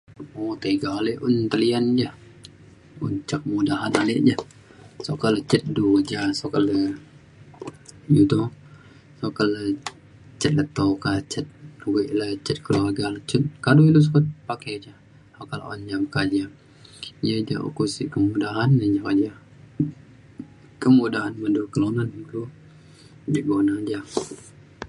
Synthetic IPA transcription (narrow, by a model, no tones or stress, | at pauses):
ot̪əɡaleʔʊnt̪əliand͡ʒah | ṵnt͡ʃakəmudaɦanalɪʔd͡ʒah | sɔkalət͡ʃət̪̚duwad͡ʒasokalə | judɔ | sokalə | t͡ʃət̪̚lət̪okat͡ʃət̪̚wiʔlat͡ʃət̪̚kəluarɡalət͡ʃət̪̚kaduilus̬ukat̪̚pakad͡ʒa | sokala̰ʔo̰ɲd͡ʒamkad͡ʒa | jəd͡ʒa̰ʔo̰kusikəmudaɦanəd͡ʒawad͡ʒa | kəmudaɦanmədukəlonanulu | d͡ʒiɡonad͡ʒa